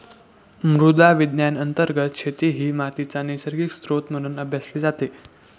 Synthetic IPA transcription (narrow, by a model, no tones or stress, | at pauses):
mɾud̪aʋid̪njanənt̪əɾɡət̪ɕʰet̪iɦiːmat̪it͡sanesəɾɡikst̪ɾot̪m̤əɽ̃uːnəbʱjasleːd͡zat̪e